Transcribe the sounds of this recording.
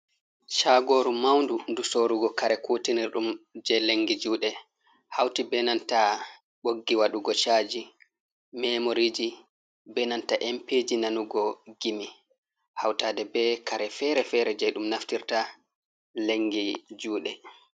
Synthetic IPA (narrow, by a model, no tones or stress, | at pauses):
t͡ʃaːɡoːɾumawndundusoːɾuɡɔkaɾɛkutiniɾɗumd͡ʒɛleŋɡid͡ʒuːɗɛ | hawtibɛnanta | ɓoɡːiwaɗuɡɔt͡ʃaːd͡ʒi | mɛmoɾid͡ʒi | bɛnantaʔɛmped͡ʒinanuɡɔɡimi | hawtaːdɛbɛkaɾɛfɛɾɛfɛɾɛd͡ʒɛɗumnaftiɾta | leŋɡid͡ʒuːɗɛ